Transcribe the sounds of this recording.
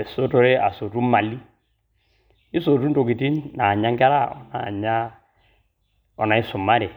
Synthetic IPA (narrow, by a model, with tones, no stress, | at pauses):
ɛ˨so˦tɔ˦ɾɛ˦a˨so˨tu˦ma˨li˦ | i˦so˨tu˦n˦to˨ki˨ti˦nnaː˨ɲa˦ŋkɛ˦ɾa˦ɔ̰˨na˨ɲa˦ | ɔ˨na˨i˦sʊ˨mːa˦ɾɛ˨